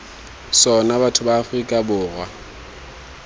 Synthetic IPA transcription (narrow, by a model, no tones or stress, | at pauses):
sɔnabatʰʊbaːfrikʼabʊːrwa